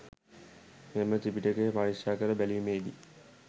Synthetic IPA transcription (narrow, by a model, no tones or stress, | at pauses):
memət̪ipiʈəkepaniʂjaːkəɾəbæliumeːd̪i